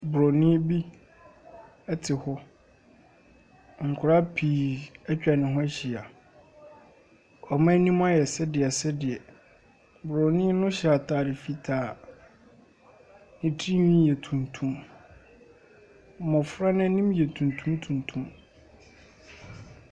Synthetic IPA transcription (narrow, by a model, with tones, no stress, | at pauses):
bʊ˨ɾɔ˨nĩ˦bi˦ | ɛ˦tʰɪ˨hɔ˦ | ŋ̩˨kʰʊ˨ɾa˦pʰiː˨ɛ˦t͡ɕᶣa˨nɪ̃˨ɦɔ̃˦ɛ˦ɕi˨a˨ | ɔ˨mã˦nĩ˦m̃˦a˦jɛ˨sɛ˦dɪ˨ɛ˨sɛ˦dɪ˨ɛ˨ | bɾɔ˨nĩ˦nʊ̃˦ɕa˨tʰaː˨dɪ˨fi˦tʰaː˨ | nĩ˨tʰi˦nĩ˦jɛ˨tʰũ˨ntʰũ˦m˦ | mɔ̃˨fɾa˦nã˦nĩ˦m˦jɛ˨tʰũ˨n˨tʰũ˦mtʰũ˨ntʰũ˦m